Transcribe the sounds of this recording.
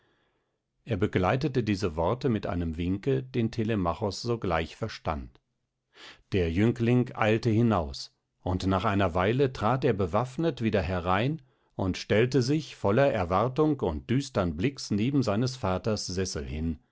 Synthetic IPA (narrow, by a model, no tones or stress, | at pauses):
ʔeːɐbəɡlaɪtətədiːzəvɔɐtəmɪtʔa̰ɪnəmvɪŋkəd̥eːntʰelemaχɔsz̥oːɡlaɪçfɛɐʃta̰nt | d̥eːɐjʏŋklɪŋʔa̰ɪltəhɪnaʊs | ʔʊntnaːχaɪnɐvaɪlətʁ̥aːteːɐbəvafnətv̥iːdɐɦɛʁaɪn | ʔʊntʃtɛltəzɪçfɔlɐʔɛɐvaɐtʊŋkʊnt̚d̥yːstɐnblɪksneːbm̩zaɪnəsfaːtɐsz̥ɛsl̩hɪn